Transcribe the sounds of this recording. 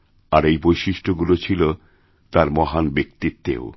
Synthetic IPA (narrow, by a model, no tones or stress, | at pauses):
aɾejbojʃiʃʈʰoɡulot͡ɕʰilo | t̪aɾmɔɦanbek̚t̪it̪ːḛo